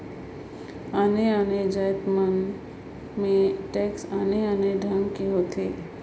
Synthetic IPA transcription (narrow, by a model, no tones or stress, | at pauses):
aːneaːned͡ʒət̪mən | mẽʈɛːksaːneaːneɖʱəŋɡkeɦoːt̪ʰeː